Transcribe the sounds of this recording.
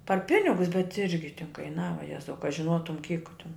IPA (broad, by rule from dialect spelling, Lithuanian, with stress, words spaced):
pɐr ˈpʲɪnʲɪɡʊs bʲɛt ˈɪrʲɡʲɪ tʲɪn kɐɪˈnɑːʋɐ ˈjæːzɐʊ kɐ ʒʲɪˈnoːtʊm kʲiːk tʲɪn